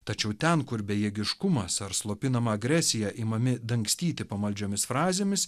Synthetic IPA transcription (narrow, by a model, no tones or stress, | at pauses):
t̪ɐt͡ʃʲɛʊt̪ʲɛnkʊɾbʲɛjɛɡʲɪʃkʊmɐsɐɾslˠoːpʲɪnɐmɐɐɡɾʲæsʲɪjæʔimɐmʲɪd̪ɐŋksʲt̪ʲiːt̪ʲɪpɐmɐlʲd͡ʒʲoːmʲɪsfɾɑːzʲeːmʲɪs